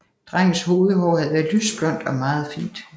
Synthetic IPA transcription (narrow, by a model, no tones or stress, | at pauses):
d̥ʁaŋ̰n̩sho̝ːðˠəɦɒʊhæð̞ˠʋæːɐðˠlysb̥lɒ̽n̰d̥ɒ̽mɑ̈ːð̞̩ˠfḭːnd̥